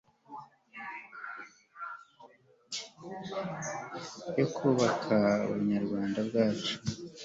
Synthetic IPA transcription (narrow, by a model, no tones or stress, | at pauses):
jo̞kʰuːβakʰauβuɲaɾɡwaːndabɡaːt͡ʃu̥